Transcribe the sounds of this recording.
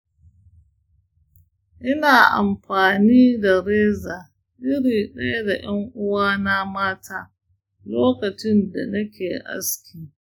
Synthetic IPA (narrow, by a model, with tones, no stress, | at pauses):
ʔɪ˦naː˨ʔa̰˨mɸaː˨niː˦da˨ɽeː˦zaː˨ | ɗɪ˦ɽiː˨ɗeː˦da˨j̰ɐ˦ŋʔʊ˦waː˦na˦maː˦tʰaː˦ | loː˦kɐ˨t͡ʃɪ˦nda̰˨nɐ˦kʲeː˨ʔa̰˦skʲiː˨